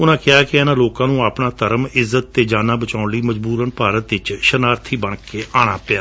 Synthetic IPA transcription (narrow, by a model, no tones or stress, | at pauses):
ʊnãːkɪaːkɪɛːnãːloːkãːnũːaːpɳaːt̪əɾəmɪzːət̪ːeːd͡ʒaːnaːbət͡ʃaːʊɳliːməd͡ʒbuːɾənpaːɾət̪ɪt͡ʃʃənaːɾt̪ʰiːbəɳkeːʔaːɽ̃aːpɪjaː